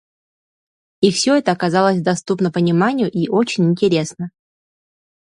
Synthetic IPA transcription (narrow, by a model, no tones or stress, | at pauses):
ifsʲo̞ɛt̪əɐkazalˠəsʲd̪ɐst̪upnəpənʲɪmanʲɪjʊʔiʔot͡ɕɪnʲɪnʲtʲɪɾʲe̞snə